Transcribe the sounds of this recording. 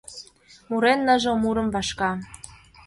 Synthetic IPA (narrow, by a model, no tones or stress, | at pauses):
muɾenːə̆ʒŏmuɾə̆mvɑʃkɑ